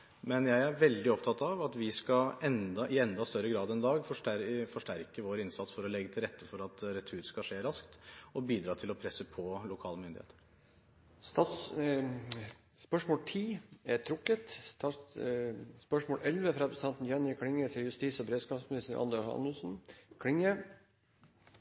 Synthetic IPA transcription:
mɛnjæɪæɾʋɛld̪ɪɔpt̪ʰɑt̪ɑʋɑt̪ʋɪskɑɛnd̪ɑʔɪɛnd̪ɑst̪œɾːəɡɾɑːd̪ɛnd̪ɑːɡfɔʂʈæfɔʂʈæɾkəʋoːɾɪnsɑt̪sfɔɾɔlɛɡːət̪ʰɪlɾɛt̪ːəfɔɾɑt̪ɾɛt̪ʰʉʉːɾskɑʂeːɾɑskt̪ɔbiːd̪ɾɑːt̪ʰɪlɔpʰɾɛsəpʰɔlʊkʰɑːləmʏnd̪ɪhḛːt̪ʰəɾ | st̪ɑ | spœʂmoːlt̪ʰiːæt̪ʰɾʊkːət̪t̪ʰɑ | spœʂmoːlʔɛlʋəfɾɑpɾəsət̪ʰɑnt̪n̩jɛnjəkʰɽɪŋːət̪ʰɪljʉst̪iːsɔbɾeːd̪skɑːpsmɪnɪst̪əɾʔɑ̰nd̪ɛɑʂɑ̰nːəlsn̩kʰɽɪŋːə

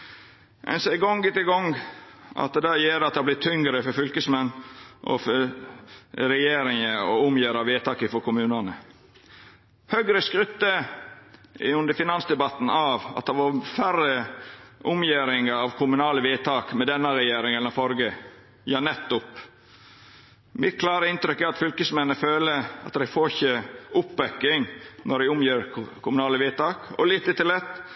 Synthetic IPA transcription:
ʔɛ̰nsɛɡɔŋɡɪt̪əɡɔŋɡʔɑ̰t̪̚d̪ɛd̪æjeːɾɑt̪d̪hɑblɪt̪ʰːʏŋɡɾəfɔɾfʏlkəsmɛnːʔɔ̰fɔɾ | ɾɛjeːɾɪŋəɔʊmjeːɾɑʋeːt̪ʰɑːkɪfɔɾkʰʊmʉːnɑnə | hœɡɾəskɾʉt̪ːə | ʉnd̪əɾfɪnɑnsd̪ɛbɑt̪ːn̩ɑʋɑ̰t̪̚d̪ɑʋɑfæɾəʔʊmjeːɾɪŋəɾɑʋkʰʊmʉnɑːləʋiːt̪ʰɑːkmɛd̪ɛnːɑɾɛjeːɾɪŋɛlnɔfɔɾɡə | jɑːnɛt̪ːʊp | mɪt̪̚kʰlɑːɾəɪnt̪ɾʏkːæɾɑt̪fʏlkəsmɛnːəføːləɑ̰t̪d̪æɪfoːçəʔʊpːɛkːɪŋnɔɖæɪʊmjeːɾkʰʊmʉnɑːləʋiːt̪ɑːkɔ̰liːt̪ət̪ɪlɛt̪ː

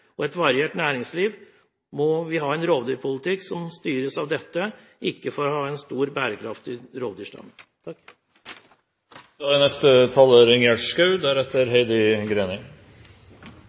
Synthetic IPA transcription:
ɔɛt̪ʋɑɾɪeːʈnæːɾɪŋsliːʋ | mɔʋɪɦɑːɛnɾoːʋd̪yːɾpʰʊlət̪ʰɪksɔmst̪yːɾəsɑʋd̪ɛt̪ːəɪkːəfɔɾɔhɑːɛnst̪uːɾbæːɾəkʰɾɑft̪ɪɾoːʋd̪yʂʈɑ̰ːnt̪ʰɑkː | nɛst̪ət̪ʰɑlːəːɾɛŋeːʂkɑʉd̪æɾɛt̪ːəɾɦɛɪd̪ɪɡɾeːnɪ

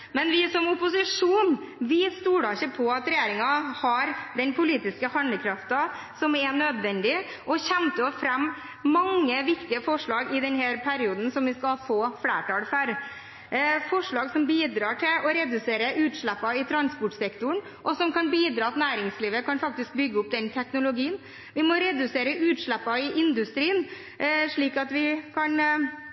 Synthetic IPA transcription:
mɛnʋɪsɔmʊpʊsɪʂuːn | ʋɪst̪uːɖɑɪçəpʰɔɑt̪ɾɛjeːɾɪŋɑhɑɾd̪ɛnpʰʊliːt̪ɪskəhɑnd̪əkʰɾɑft̪ɑ | sɔmɛnød̪ʋɛnd̪ɪ | ʔɔçɛmt̪əɔfɾɛmː | ɑŋːəʋɪkt̪ɪəfɔʂɭɑːɡɪd̪ɛnɦæːɾpʰæɾɪuːd̪n̩sɔmʋɪskɑlfoːfɽæ̰ːʈɑːlfæɾ | fɔʂɭɑːɡsɔmbiːd̪ɾɑːʈʰɪlɔɾɛd̪ʉseːɾəʔʉːt̪ʂɭæpːɑɪt̪ʰɾɑnspʊʈsɛkt̪ʊɳ | ʔɔsɔmkʰɑnbiːd̪ɾɑːt̪næːɾɪŋsliːʋəkʰɑnfɑk̚t̪ɪsk̚bʏɡːəʊp̚d̪ɛnt̪ʰɛknʊlʊɡiːən | ʋɪmɔɾɛd̪ʉseːɾəʔʉːt̪ʂɭæpːɑɪʔɪnd̪ʉst̪ɾiːən | ʂɭiːkɑt̪ʋɪkʰɑn

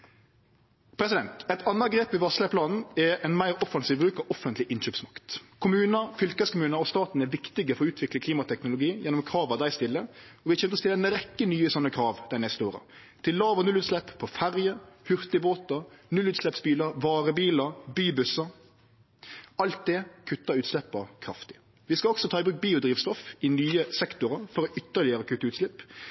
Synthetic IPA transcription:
pʰɾɛsɪd̪ɛnt̪ɛt̪ɑnːɑɡɾeːpʋɪʋɑːslɛpʰlɑːnn̩ɛɾɛnmæɪɾɔfɑnsiːʋbɾʉːkɑɔfənt̪lɪʔɪnçøːpsmɑkt̪kʰʊmʉːnəfʏlkəskʊmʉːnəɔst̪ɑːt̪n̩ɛʋɪkt̪ɪɡəfɔɾɔʉːt̪ʰʋɪklɪkʰliːmɑt̪ʰɛknʊlʊɡiːjɛnːʊmkʰɾɑːʋɑd̪æɪst̪ɪlːəɔʋɪhɑçɛnət̪ɔst̪ɪlːɛnəɾɛkːənyːəsɔnːəkʰɾɑːʋd̪̥æɪnɛst̪əoːʁə̰ | t̪ʰɪllːɑːʋənʉlʉːt̪slɛppʰːɔfæʁjəhʉʁt̪ɪboːt̪ɑnʉlːʉːt̪slɛpsbiːləɾʋɑːʁəbiːləɾbyːbʉsə | ɑlt̪̚d̪ɛkʰʉt̪ːɑʉːt̪slɛpːəkʰɾɑft̪ɪ̥ | ʋɪskɑɔɡsɔt̪ʰɑːɪbʁʉːk̚biːʊd̪ɾiːʋst̪ɔfɪnyːəsɛkt̪ʊɾəfɔɾɔʔʏt̪ːəʁlɪəɾəkʰʉt̪ːəʉːt̪slɪpː

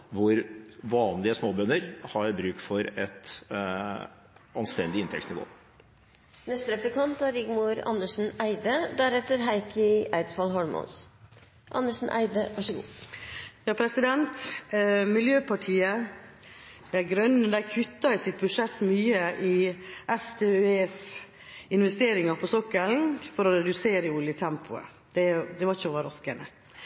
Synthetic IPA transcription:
ʋʊɾʋɑːnlɪəsmoːbœnːəɾhɑɾbɾʉːkfɔɾɛt̪ | ɑnst̪ɛnd̪ɪɪnt̪ʰɛ̰ktsnɪʋo̰ː | nɛst̪əɾɛplɪkʰɑnt̪æɾɪɡmuɾɑ̰nːəʂn̩æɪd̪əd̪æɾɛt̪ːəɾɦæɪkʰəæɪd̪sfɑlɦɔɭmʊ̰ns | ʔɑ̰nːəʂn̩ʔæ̰ɪd̪əʋɑʂəɡṵː | jɑːpʰɾɛsɪd̪ɛnt̪ | mɪljøːpʰɑʈʰiːə | d̪̥ɛɡɾœnːəd̪æɾkʰʉt̪ːɑɪsɪt̪̚bʉʂɛt̪ːmyːəʔɪɛst̪ʰeːeːs | ɪnʋɛst̪eːɾɪŋɑpʰɔsɔkːəlnfɔɾɔɾɛd̪ʉseːɾəʊljət̪ʰɛmpʰʊə̰ | d̪̥ɛd̪ɛʋɑçəʋɑɾɔskənə

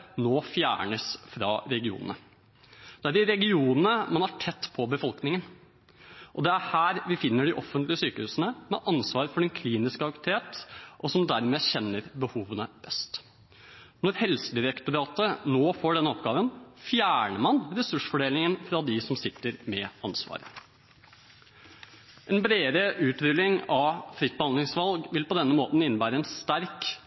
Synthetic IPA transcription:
noːfjæ̰ːɳəsfɾɑ̰ːɾɛɡɪṵːnə̰nə | d̪̥ɛæɾɖɪɾɛɡɪuːnənəmɑnæʈʰɛt̪ːpʰɔbəfɔlknɪŋən | ʔɔd̪ɛæɾhæːɾʋɪfɪnːəɖɪʔɔfːənt̪lɪəsyːkəhʉːsənəmɛ̰ʔɑnsʋɑːɾfɔɖɛnkʰliːnɪskəɑkt̪ʰeːt̪ʔɔsɔmd̪æɾmɛːçɛnːəɾbəhuːʋənəb̥ɛst̪ | nɔɾhɛlsəd̪ɪɾɛkt̪ʊɾɑːt̪ənoːfoːɖɛnːəɔp̚ɡɑːʋənfjæːɳəmɑnɾɛsʉʂfɔɖeːlɪŋənfɾɑd̪ɪsɔmsɪt̪ːəɾmɛɑnsʋɑ̰ːɾə | ʔɛnbɾeːɾəʔʉːt̪ɾʏlɪŋɑʋfɾɪt̪̚bəhɑnd̪lɪŋsʋɑlɡʋɪlpɔd̪ɛnːəmoːt̪n̩ɪnːəbæːɾəɛnst̪æɾk

